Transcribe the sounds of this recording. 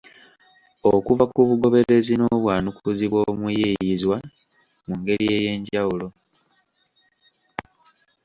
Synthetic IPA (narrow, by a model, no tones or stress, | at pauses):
okuvakuβuɡo̞βe̞ɾe̞zino̞ːβwaːnukuziβwo̞ːmujijjizwa | muŋɡe̞ɾije̞ːje̞ːɲɟawulo̞